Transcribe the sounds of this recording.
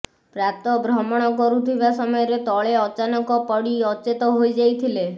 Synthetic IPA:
pɾap̚t̪ɔbɾɔmɔɽ̃ɔkɔɾut̪ʰibasɔmɔjɔɾet̪ɔɭeɔt͡ʃanɔkɔpɔɽiɔt͡ʃet̪ɔɦojd͡ʒajt̪ʰile

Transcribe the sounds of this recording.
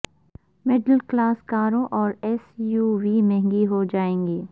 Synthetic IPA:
mɪɖəlklaːskaːɾõʔɔːɾɛːsjuːʋiːmɛ̃ɦŋɡiɦod͡ʒaːẽːŋɡiː

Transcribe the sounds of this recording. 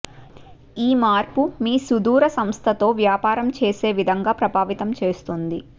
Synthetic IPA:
iːmaːɾpumiːsud̪uːɾɐsɐmst̪ʰɐt̪o̞ːʋjaːpaːɾɐmt͡ʃe̞ːse̞ːʋid̪ʱɐŋɡaːpɾɐbaːʋit̪ɐmt͡ʃe̞ːst̪und̪i

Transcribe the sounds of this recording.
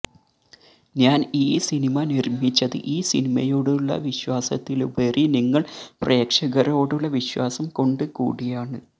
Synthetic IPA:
ɲaːniːsinimɐnirmit͡ɕːɐðɨ̰ʔiːsḭnimɐjo̞ːɽuɭːɐ̰ʋiɕwaːsɐ̰t̪ːilʋɐriniŋːɐɭpre̞ːkʂɐɣɐɾo̞ːɽuɭːɐʋiɕwaːsɐmko̞ɳɖɨkṵːɽijaːɳɨ

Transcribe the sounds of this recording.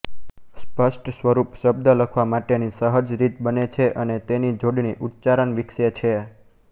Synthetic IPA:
spəʃʈsʋəɾupʃəb̚d̪ələkʰʋamaʈenisəɦəd͡ʒɾit̪̚bənet͡ʃʰeʔənet̪enid͡ʒoɖɳiʔut̪̚t͡ʃaɾəɳʋɪkʃet͡ʃʰe

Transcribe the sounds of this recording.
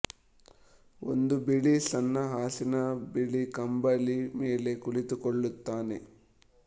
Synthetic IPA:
o̰nd̪ubiɭisɐnːɐɦaːsinɐbiɭikɐmbɐlimeːle̞kuɭit̪ukoɭːut̪ːaːne̞̰

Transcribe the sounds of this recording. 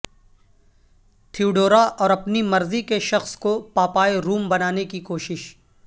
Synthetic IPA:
t̪ʰiuɖoːɾaʔɔːɾɐpnimɐɾzikeʃɐxskopaːpaːeɾuːmbɐnaːnekikoːʃɪʃ

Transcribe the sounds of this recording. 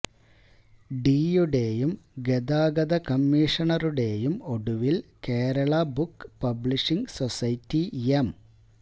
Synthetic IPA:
ɖiːjuɽe̞ːjumɡed̪aːɡɐd̪ɐkɐmːiːʂɐɳɐruɽe̞ːjumo̞ɽuʋilkeːɾɐɭɐbukːpɐbɭiʂiŋɡsosɐjtːiem

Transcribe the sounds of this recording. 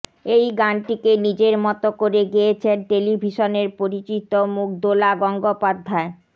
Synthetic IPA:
ejɡanʈikenid͡ʑeɾmɔt̪okoɾeɡijet͡ɕʰenʈelibʱiʃoneɾpoɾit͡ɕit̪omuk̚d̪olaɡɔŋɡopad̪ʱːae

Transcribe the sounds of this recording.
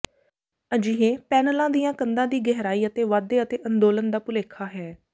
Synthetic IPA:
əd͡ʒiːɦeːpɛːnəlãːd̪ijãːkənd̪ãːd̪iːɡɛɦɾaːiːət̪eːʋaːd̪eːət̪eːʔə̃nd̪oːlənd̪aːpʊleːkʰːaːɦɛː

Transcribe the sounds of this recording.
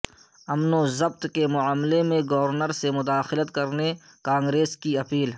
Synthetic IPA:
ɐmnozɐb̚t̪kemʊaːmlemẽɡɔʋəɾnəɾsemʊd̪aːxɪlət̪kɐɾne | kãːŋɡɾeːskiɐpiːl

